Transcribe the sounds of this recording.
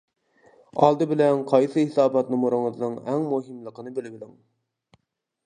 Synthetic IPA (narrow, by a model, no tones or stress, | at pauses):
ɑ̰lˠd̪ɨbɪlɛnqʰɑjsɨhɪsɑːbɑt̪nɨmoɾɨŋəznɨŋɛŋmuɦɪmlˠəqənɨbɪlɪbɪd̪ɪŋ